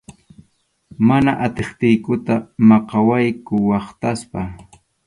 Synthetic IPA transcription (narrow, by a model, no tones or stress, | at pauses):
manaʔat̪eχt̪ɪjkʊt̪amɑqɑwajkʊwɑχt̪aspa